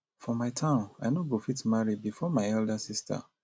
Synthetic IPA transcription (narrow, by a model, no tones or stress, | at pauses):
fɔmaɪtʰãʊ̃naɪnoɡofitmaɹibifɔmaɪɛldasistʰa̰